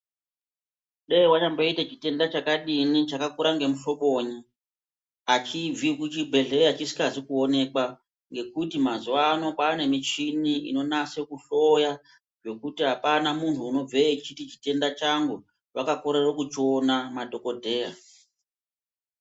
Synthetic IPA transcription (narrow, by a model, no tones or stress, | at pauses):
ɗewat͡ʃamboitat͡ʃite̞ndat͡ʃakaɗinit͡ʃakakuɾaŋɡe̞muɬo̞ɓo̞ɲi | at͡ʃib͡vikut͡ʃibʱe̞ɬe̞at͡ʃisi̥kazikuo̞ne̞kwa | ŋɡe̞kutimazuwano̞paːne̞mit͡ʃiniḭno̞nase̞kuɬo̞ja | ʐo̞kutiɦapanamuntʰuːno̞b͡veit͡ʃitit͡ʃi̥te̞ndat͡ʃaŋɡu | wakako̞ɾerokut͡ʃionamadʱo̞ko̞dʱe̞ːja̰